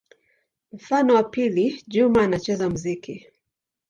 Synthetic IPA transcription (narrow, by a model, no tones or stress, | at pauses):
m̩fanɔwapiliʄumaːnat͡ʃɛzamuziki